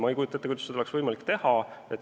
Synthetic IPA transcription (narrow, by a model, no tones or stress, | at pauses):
mɑejkujut̪ːɑet̪ːkujt̪su̥se̥eksvɤjmɑlikːt̪e̞hɑet̪ː